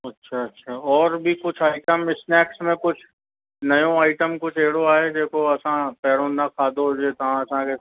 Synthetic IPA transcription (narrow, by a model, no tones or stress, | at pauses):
ɐtːʃʰaɐtːʃʰaːɔːɾbʱikʊt͡ʃʰaːɪʈəmɪsnɛːksmẽkʊt͡ʃʰ | nɐjõaːɪʈəmkʊt͡ʃʰeːɽoaːed͡ʒeːkʰoɐsãpɛːɽõnɐkʰaːd̪oɦod͡ʒet̪ɐɦãɐsãke